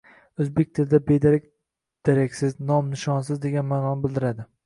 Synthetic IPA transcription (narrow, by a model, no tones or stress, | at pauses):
ɵzbek̚ʲt̪ʰɪɾd̪abed̪aɾɪk̚ʲ | d̪̥eɾakʲsɪznɒmnɪʃɒnsɪzd̪e̞ɡʲanmaːnɒnɪbɪld̪ɪɾad̪ɪ